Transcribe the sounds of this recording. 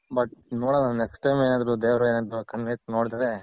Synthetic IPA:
bɐʈ̚noːɽanːnneksʈːɐjmeːnaːd̪ɐɾud̪eːʋɾɐeːnant̪ukɐɳʋesnoːɖit̪ɐd̪e

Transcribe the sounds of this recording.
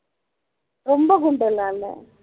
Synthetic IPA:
ɾɔmbɐkʊɳɖɐlːaːlːɛ̰

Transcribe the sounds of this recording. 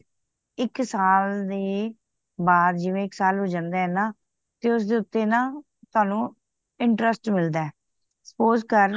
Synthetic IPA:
ɪksaːld̪eː | baːd̪d͡ʒɪʋẽːɪksaːlɦoːd͡ʒãːnd̪aːɦɛːnaː | t̪eːʊs̬d̪eːʊt̪ːeːnãː | t̪oʊaːnũː | ɪɳʈɾəsʈmɪld̪aːɛː | sə̥poːzkəɾ

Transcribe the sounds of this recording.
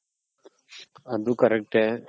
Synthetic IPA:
ɐd̪uːkəɾɛk̚ʈɛː

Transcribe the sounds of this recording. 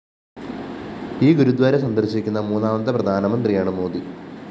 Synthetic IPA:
iːɡuɾud̪ʋaːɾesɐnd̪ɐrɕikʲːunːɐmuːnːaːmɐnt̪ːɐprɐd̪ʱaːnɐmɐnd̪rijaːɳɨmo̞ːd̪i

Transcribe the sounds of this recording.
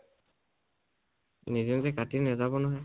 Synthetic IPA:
nizinzɛkatinɛzabɔnɔɦɔj

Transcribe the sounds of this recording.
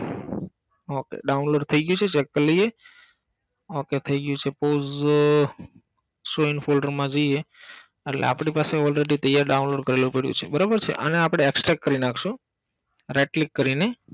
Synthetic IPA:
okḛɖaunloɖt̪ʰəiɡəjũt͡ʃʰet͡ʃekːələie | oket̪ʰəiɡəjũt͡ʃʰepoz | soinfolɖəɾmãd͡ʒoie | eʈlḛa̰pɽ̃ipaseɔlɾeɖit̪əjaɾɖaunloɖkəɾelupeɽjṵ̃t͡ʃʰebəɾabəɾt͡ʃʰḛʔəneapɽ̃eːksʈɾakːəɾinakʰʃũ | ɾeʈlikːəɾine

